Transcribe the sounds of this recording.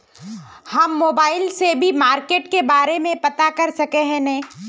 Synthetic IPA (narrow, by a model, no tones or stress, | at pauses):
hɐmːoːbaːɪlsebʱimaːɾkeːʈkebaːɾemẽpɐt̪akɐɾsɐkeɦɛ̃nɐ̃ː